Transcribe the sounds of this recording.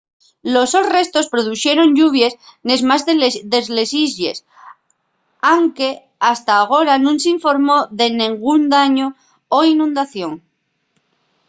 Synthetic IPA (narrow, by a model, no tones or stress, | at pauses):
lo̞sore̞st̪o̞spɾoð̞uθje̞ɾo̞ɲʝuβ̞jesnezmazðeðe̞zle̞sizʝe̞̰s | awŋke̞ | ast̪aːɣ̞o̞ɾanũŋsiɱfo̞ɾmo̞ðe̞nẽŋɡund̪aɲoː | inũnd̪aθjo̞ŋ